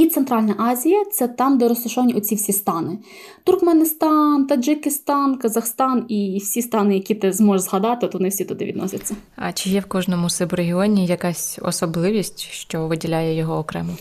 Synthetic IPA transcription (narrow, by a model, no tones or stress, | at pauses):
it̪sɛnt̪ɾɑlʲnɐʔɑzʲijɐt̪sɛt̪ɑmd̪ɛɾɔst̪ʊʃɔʋɐnʲiʔɔt͡sʲiwsʲist̪ɑnɪ | t̪ʊrkmenɪst̪ɑnt̪ɐd͡ʒɪkʲɪst̪ɑnkɐzɐxst̪ɑniwsʲist̪ɑnɪjɐkʲit̪ɪzmɔʒzɦɐd̪ɑt̪ɪɔt̪ɔɔnɪwsʲit̪ʊd̪ɪ̰ʋʲḭd̪nɔ̰sʲɐt͡sʲːɐ | ɐ̰t͡ʃɪjɛwkɔʒnɔmʊsɪbɾeɦʲiɔnʲijɐkasʲɔ̰sɔblˠɪʋʲisʲtʲʃt͡ʃɔʋɪdʲilʲajɛjɔɦɔːkɾɛmɔ